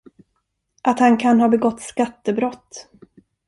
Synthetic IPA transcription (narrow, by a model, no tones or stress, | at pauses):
ʔat̪hankʰanɦɑːbɛɡɔt̪ːskat̪ːəbɾɔt̪ː